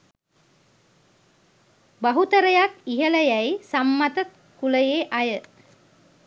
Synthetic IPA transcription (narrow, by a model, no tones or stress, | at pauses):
baɦut̪əɾəjakiɦələjæjsamːat̪ə | kuləjeːʔajə